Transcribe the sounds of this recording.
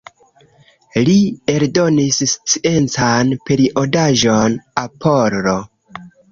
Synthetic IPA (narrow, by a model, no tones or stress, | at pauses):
lie̞ɾdo̞nisst͡siʔe̞nt͡sanpe̞ɾiʔodaʒonapʰoɾɾo